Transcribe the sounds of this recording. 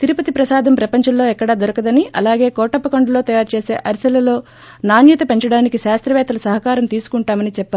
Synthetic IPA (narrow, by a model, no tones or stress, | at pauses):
t̪iɾupɐt̪ipɾɐsaːd̪ʱɐmpɾɐpɐɲt͡ʃɐmlo̞ːɛkːɐɽaːd̪oɾɐkɐd̪ɐniʔɐ̰laːɡe̞ːkɔːʈɐpːɐkoɳɖɐlo̞ːt̪ɐjaːɾut͡ʃe̞ːse̞̰ːʔɐɾisɐlɐlo̞ː | naːnjɐt̪ɐpe̞ɲt͡ʃɐɽaːnikiʃaːst̪ɾɐʋɛːt̪ɐlɐsɐɦɐkaːɾɐmt̪iːsu̥kuɳʈaːmɐnit͡ʃɛpːɐaː